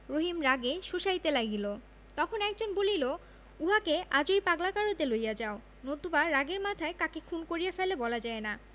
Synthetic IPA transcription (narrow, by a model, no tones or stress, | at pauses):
ɾoɦimɾaɡeʃuʃait̪elaɡilo | t̪ɔkʰonɛk̚d͡ʑonbolilo | uɦakead͡ʑojpaɡlakaɾot̪elojad͡ʑao | nod̪ubaɾːaɡeɾmat̪ʰaekakekʰunkoɾijafelebɔlad͡ʑaena